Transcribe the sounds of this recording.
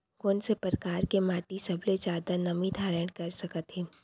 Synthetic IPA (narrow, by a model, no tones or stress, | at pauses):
koːnsepɾəkaːɾkemaːʈisɐbled͡ʒaːd̪anɐmid̪ʱaːɾə̃ɳʈkɐɾsɐkət̪ɦeː